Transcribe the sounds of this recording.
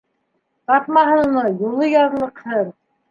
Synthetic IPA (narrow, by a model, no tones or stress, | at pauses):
t̪ɑt̪mɑɦɤ̆nnɤjulˠɤjɑðlˠɤ̆qhɤɾ